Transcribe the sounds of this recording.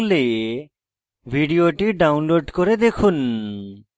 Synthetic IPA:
le | bʱiɖioʈiɖawnloɖkoɾed̪ekʰun

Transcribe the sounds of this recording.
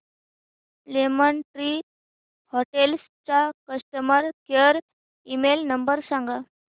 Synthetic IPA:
lemənʈɾi | hoʈels | t͡sakəsʈəməɾkeɾ | imelnəmbəɾsãŋɡa

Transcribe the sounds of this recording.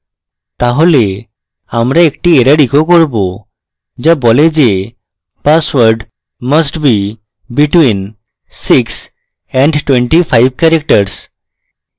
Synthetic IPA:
t̪aɦole | amɾaekʈieɾəɽikʰokɔɾbo | d͡ʑabɔled͡ʑe | pasʋəɾɖ | məsʈbi | biʈwin | siks | ɛ̃ɳɖʈwẽɳʈipʰajbkɛɾek̚ʈəɾs

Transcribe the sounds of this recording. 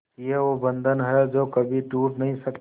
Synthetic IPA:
jeobə̃nd̪ʱənɦɛd͡ʒoːkɐbʱiʈuːʈnɐɦĩsɐk

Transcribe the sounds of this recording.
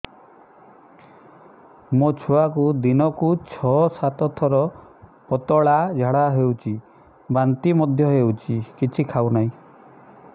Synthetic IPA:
mot͡ʃʰuakud̪inɔkut͡ʃʰɔsat̪ɔt̪ʰɔɾɔpɔt̪ɔɭad͡ʒʱaɽaɦewt͡ʃʰi | bant̪imɔd̪ʱjɔɦewt͡ʃʰikit͡ʃʰikʰawnaɦĩ

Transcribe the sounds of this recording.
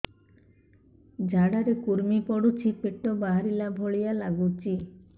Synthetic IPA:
d͡ʒʱaɽaɾekuɾmipɔɽut͡ʃʰipeʈːobaɦaɾilabʱoɭijalaɡut͡ʃi

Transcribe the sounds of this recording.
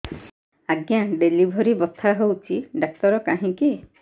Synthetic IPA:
aɡjaɖelibʱɔɾibɔt̪ʰaɦowt͡ʃʰiɖak̚tɔɾɔkaɦĩki

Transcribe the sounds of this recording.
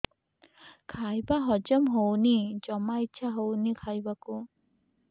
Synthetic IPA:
kʰajbaɦɔd͡ʒɔmɦownid͡ʒɔmaitːʃʰaɦownikʰajbaku

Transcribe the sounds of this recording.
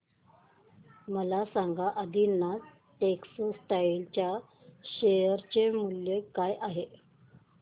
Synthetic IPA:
məlasaŋɡaʔəd̪inːa | ʈeksosʈailt͡ɕja | ɕejəɾt͡ɕemuljəkajʔaɦe

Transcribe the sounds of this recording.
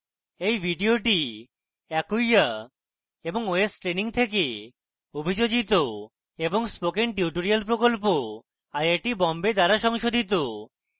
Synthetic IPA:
ejbʱiɖioʈi | ɛkuja | eboŋoesʈɾeniŋt̪ʰek̬e | obʱid͡ʑod͡ʑit̪o | eboŋspokenʈiuʈoɾialp̬ɾokolp̬o | ajaʈibɔmbed̪aɾaʃɔŋʃod̪ʱit̪o

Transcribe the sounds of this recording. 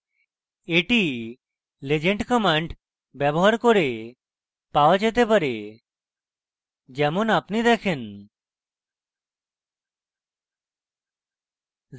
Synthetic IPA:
eʈi | led͡ʑeɳʈkɔmaɳɖ | bɛbɔɦaɾkoɾe | paoad͡ʒet̪̬epaɾe | d͡ʒɛmonapnid̪ɛkʰen

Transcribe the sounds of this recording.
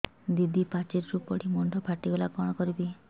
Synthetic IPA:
d̪id̪ʱipat͡ʃiɾɾupɔɽimɔɳɖʱɔpʰaʈibelakɔɽ̃ɔkɔɾibi

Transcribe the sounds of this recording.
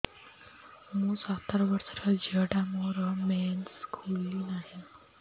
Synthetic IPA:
mũːsat̪əɾʋəɾsəɾad͡ʑəɽamoɾəmɛnskʰulːinaɦi

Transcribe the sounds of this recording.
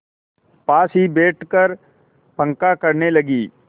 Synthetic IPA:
paːsibeːʈkəɾ | pə̃ŋkakɐɾnelɐɡiː

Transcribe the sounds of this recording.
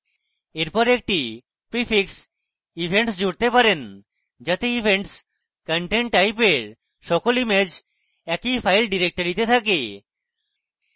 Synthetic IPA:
eɾpɔɾek̚ʈi | pɾifiks | ibʱeɳʈsd͡ʑoɽt̪epaɾen | d͡ʑat̪eibʱeɳʈs | kəɳʈeɳʈʈajpeɾ | ʃɔkolimed͡ʑ | ɛkifʰajlɖiɾek̚ʈəɾit̪et̪ʰake

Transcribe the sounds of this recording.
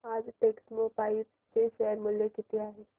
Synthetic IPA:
aːd͡ʒʈeːksmopaːi | seʃɛɾmʊljekɪt̪iaːɦe

